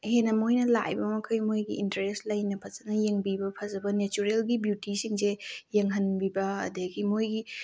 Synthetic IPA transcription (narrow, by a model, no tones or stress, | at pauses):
henɐmojnɐla̰jbɐmɐkʰɐjmojɡiʔintɐɾeslɐjnɐpʰɐzɐnɐjeŋbibɐpʰɐzɐbɐnet͡ʃuɾelɡibjutisiŋsejeŋɦɐnbibɐɐ̰deɡimojɡi